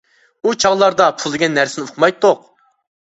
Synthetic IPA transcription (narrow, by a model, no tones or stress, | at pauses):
ut͡ʃʰɑʁlˠɑɾd̪ɑpʰulˠd̪ɪɡʲɛnːæɾsɪnɪoqʰʊmɑjt̪ʰːoq̚